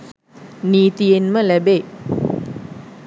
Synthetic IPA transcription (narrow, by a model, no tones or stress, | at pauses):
niːt̪ijenməlæbe